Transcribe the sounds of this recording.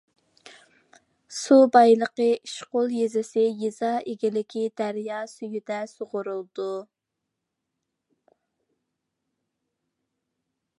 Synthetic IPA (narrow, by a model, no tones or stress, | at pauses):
subɑjlˠəqəiʃqolˠjezɪsɪjizɑʔeɡʲilɪkʲʰid̪æɾjɑsyjyd̪ɛsoʁʊɾulˠd̪̥u